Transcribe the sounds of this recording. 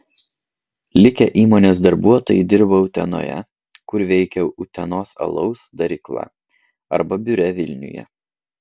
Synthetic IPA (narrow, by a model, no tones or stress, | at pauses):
lʲɪkʲɛʔiːmoːnʲeːs̬d̪ɐɾbuɔt̪oːjɪd̪ʲɪɾbɐʊt̪ʲɛ̰no̰ːjɛ̰ | kʊɾʋʲɛɪkʲɛʊt̪ʲɛnoːsɐ̰lˠɒʊsd̪ɐɾʲɪklˠɑ̰ | ɐ̰ɾbɐbʲʊɾʲɛʋʲɪlʲnʲʊ̰jɛ̰